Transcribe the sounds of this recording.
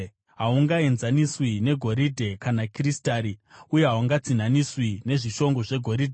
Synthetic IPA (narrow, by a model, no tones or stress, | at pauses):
ɦauŋɡae̞nzaniswine̞ɡʱo̞ɾidʱe̞kanakristaːɾiuje̞ɦawuŋɡad͡zin̤aniswine̞ʐiʃo̞ŋɡo̞ʐe̞ɡʱo̞ɾidʱe